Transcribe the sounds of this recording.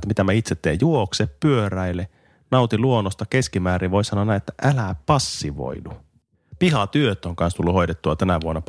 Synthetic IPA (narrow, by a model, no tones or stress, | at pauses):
t̪ːæmit̪æmæit̪set̪ːḛːjjuokseppyøɾæilːe | nɑut̪iluonːost̪ɑkeskimæːɾiʋoisɑnoɑnæiet̪ːæʔælæpɑsːiʋo̰idu | pihɑt̪yøt̪ːˑoŋkɑnst̪ulːuhoidet̪ːuɑt̪ænæʋuonːɑ